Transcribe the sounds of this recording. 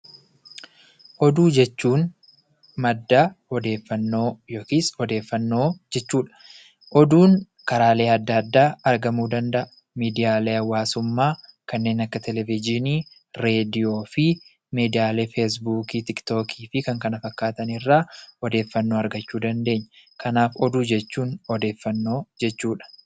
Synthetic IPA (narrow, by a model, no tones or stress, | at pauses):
ʔɔd̪uːd͡ʒɛt͡ʃːuːn | mɐd̪ːaːhɔd̪e̞ːfːɐnːo̞ːjoːkiːsɔd̪e̞ːfːɐnːo̞ːd͡ʒɛt͡ʃːuːᶑɐ̥ | ʔɔd̪uːn | kɐɾaːle̞ːɐd̪ːɐːɐd̪ːaːɐɾɡɐmuːd̪ɐnd̪ɐʔɐ | miːd̪ɪjaːle̞ːɐwːaːsʊmːaːkɐnːe̞ːnɐkːɐt̪ɛlɛvɪd͡ʒɪniː | ɾe̞ːd̪ɪjo̞ːfɪ | meːd̪ɪjaːle̞ːfes̬buːkiːt̪ɪkt̪o̞ːkʰiːfɪkɐŋkɐnɐfɐkːaːt̪ɐnɪrːaːɔd̪e̞ːfːɐnːo̞ːɐɾɡɐt͡ʃːuːd̪ɐnd̪e̞ːɲːɐkʰɐnaːfɔd̪uːd͡ʒɛt͡ʃːuːnɔd̪e̞ːfːɐnːo̞ːd͡ʒɛt͡ʃːuːᶑɐ̥